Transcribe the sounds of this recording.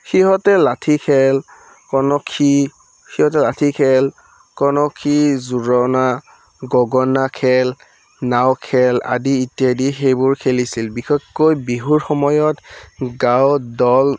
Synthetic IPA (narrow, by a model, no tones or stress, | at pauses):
xiɦɔtɛlatʰikʰɛl | kɔnɔkʰːi | xiɦɔt̬ɛlatʰikʰɛl | kɔnɔkʰːizuɹɔna | ɡɔɡɔnakʰɛl | nawkʰɛla̰diːtjadixejbʊɹkʰelisilbixɔkːojbiɦuɹxɔmɔjɔtɡawdɔl